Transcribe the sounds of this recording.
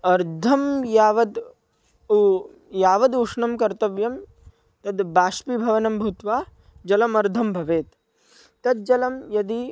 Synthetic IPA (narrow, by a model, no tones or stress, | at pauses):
ɐɾd̪ʱɐmjaːʋɐd̪ | jaːʋɐd̪uʂɳɐmkɐɾt̪ɐʋjɐm | t̪ɐd̪baːʃpibʱɐʋɐnɐmbʱut̪ʋaː | d͡ʒɐlɐmɐɾd̪ʱɐmbʱɐʋeːt̪ː | ɐd̪̚d͡ʒɐlɐmjɐd̪i